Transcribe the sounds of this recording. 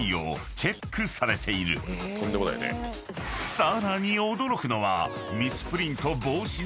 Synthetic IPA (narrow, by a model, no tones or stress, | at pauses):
io̞̰ | t͡ɕe̞kʰːɯ̟saɾe̞t̪ʰe̞iɾɯ̟̰t̪ʰõ̞nd̪emod̪a̰jo̰nḛ | saɾaɲ̟iod̪o̞ɾo̞kɯ̟no̞βa̰ | mʲisɨ̥pɯ̟ɾʲĩnt̪o̞bo̞ːɕi